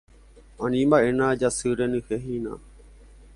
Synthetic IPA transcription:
ãnĩmbaʔenãd͡ʒasɨɾenĩheɦĩnã̰

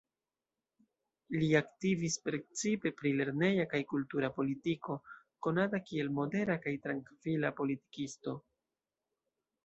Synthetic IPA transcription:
liaktivispɾe̞t͡sipe̞pɾile̞ɾne̞jakajkultuɾapo̞litiko̞ | ko̞natakie̞lmo̞de̞ɾakajtɾaŋkvilapo̞liti̥kisto̞

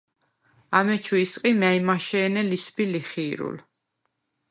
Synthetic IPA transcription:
amɛt͡ʃʰuisqʼimaimaʃɛːnɛlisbiliχiːɾṵl

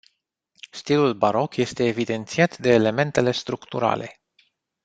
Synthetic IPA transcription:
st̪ilulbaɾo̞kje̞st̪e̞ːvid̪e̞nt̪siat̪d̪e̞ːle̞me̞nt̪e̞le̞st̪ɾukt̪uɾa̰le̞̰

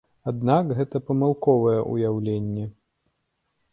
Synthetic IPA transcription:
ad̪nakɣɛt̪ɐpɐmalˠkɔvɐjɛʔṵjawlʲenʲːɛ

